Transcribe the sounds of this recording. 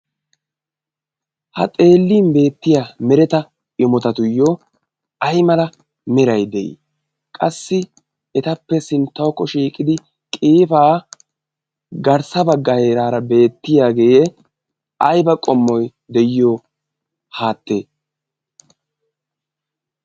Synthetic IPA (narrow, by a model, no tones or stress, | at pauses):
hɐ̰t̪ʼe̞ːlːiːnbe̞ːt̪ːɪjamɛɾɛt̪ɐ | ɪmɔt̪ɐt̪ʊjːɔ | ɐjmɐlɐ | mɛɾɐjd̪ɛʔḭ | kʼɐsːɪ | ɛt̪ɐpːɛsɪnt̪ːɐwɔkːɔʃiːkʼɪd̪ɪ | kʼiːfaː | ɡɐɾsɐbɐɡːɐhe̞ːɾaːɾɐbe̞ːt̪ːɪjaːɡejɛ | ɐjbɐkʼɔmːɔj | d̪ɛjɪjoː | haːt̪ːeː